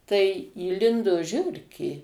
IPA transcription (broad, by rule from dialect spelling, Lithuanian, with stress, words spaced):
tɐɪ iːˈlʲɪndoː ˈʒʲʊrʲkʲeː